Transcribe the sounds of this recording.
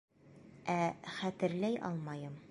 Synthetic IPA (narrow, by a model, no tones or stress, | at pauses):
æχæt̪ɘ̆ɾlæjʔɒ̰lˠmɑjɤm